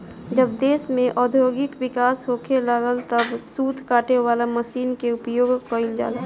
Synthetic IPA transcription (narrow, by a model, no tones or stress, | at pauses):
d͡ʒəb̚d̪eːsmẽʔɔːd̪ʱjoːɡɪkʋɪkaːsɦoːkʰelaɡəlt̪əbsuːt̪ʰkaːʈewaːlaməsiːnkeʊpjoːɡkəild͡ʒa̰ːla